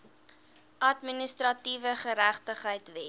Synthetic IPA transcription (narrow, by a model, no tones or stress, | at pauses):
ʔɐtministrɐtivəχəɾæχtəχɦəjtvɛ